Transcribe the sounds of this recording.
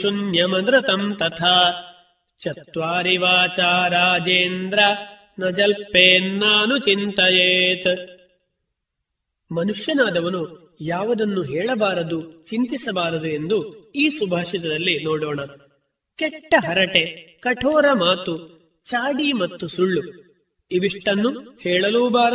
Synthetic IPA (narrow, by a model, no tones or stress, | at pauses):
ʃunjɐmɐnd̪ɾɐt̪ɐmt̪ɐt̪ʰaː | t͡ʃɐt̪ʋaːɾiʋaːt͡ʃaːɾaːd͡ʒeːnd̪ɾɐ | nɐd͡ʒɐlpeːnːaːnut͡ʃint̪ɐjeːt̪ | mɐnuʂjɐnaːd̪ɐʋɐnu | jaːʋɐd̪ɐnːuɦɛːɭɐbaːɾɐd̪ut͡ʃint̪isɐbaːɾɐd̪ue̞nd̪uiːsubʱaːʂit̪ɐd̪ɐlːinoːɽɔːɳɐ | kɛʈːɐɦɐɾɐʈekɐʈʰɔːɾɐmaːt̪u | t͡ʃaːɽimɐt̪ːusuɭːu | iʋiʂʈɐnːuhɛːɭɐluːbaːɾɐ